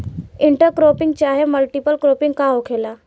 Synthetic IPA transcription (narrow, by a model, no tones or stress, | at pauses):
ɪɳʈəɾkɾoːpɪ̃ŋɡt͡ʃaːɦeməlʈipəlkɾoːpɪ̃ŋɡkaɦokʰela